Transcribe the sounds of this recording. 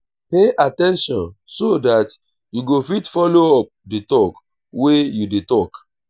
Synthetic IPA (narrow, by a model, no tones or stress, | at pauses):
peʔatɛ̃nʃɔ̃nsodat | juɡofitfɔloɔp̚ditɔk | wejudetɔk